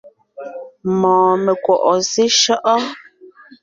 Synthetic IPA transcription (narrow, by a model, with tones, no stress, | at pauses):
mɔ̃ː˨me˨kwɔ˨ʔɔ˨se˦ʃɔ˦ʔɔ˦